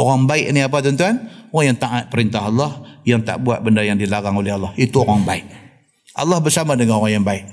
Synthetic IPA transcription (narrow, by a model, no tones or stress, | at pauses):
oɾaŋbaɪʔniap̬at̪̬ənt̪uanoɣaŋjaŋt̪aʔat̪̚pəɾint̪aɦalːɑhjaŋt̪a̰ʔbuat̪̚bəndajaŋdilaɣaŋolɛɦalːɑhit̪uoɾaŋbaɪʔ | ʔa̰lːɑhbərsamadəŋanoɾaŋjaŋbaɪʔ